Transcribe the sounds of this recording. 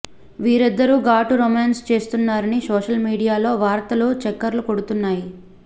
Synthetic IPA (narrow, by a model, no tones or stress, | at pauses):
ʋiːɾid̪ːɐɾuːɡaːʈuɾomaːnst͡ʃe̞ːst̪unːaːɾɐnisoːʃɐlmiːɽijaːlo̞ːʋaːɾt̪ɐloːt͡ʃɛkːɐɾluko̞ɽut̪unːaːji